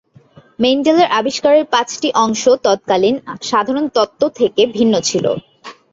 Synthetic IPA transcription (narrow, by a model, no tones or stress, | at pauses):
mejnd͡ʑelaɾʔabiʃkaɾeɾpãt͡ɕʈiʔɔŋʃot̪ɔt̪̚kalinʃad̪ʱaɾont̪ɔt̪ːot̪ʰekebʱinːot͡ɕʰilo̰